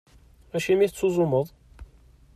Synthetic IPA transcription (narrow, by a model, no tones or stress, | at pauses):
æʃimiθət͡sːuzˤʊməðˤ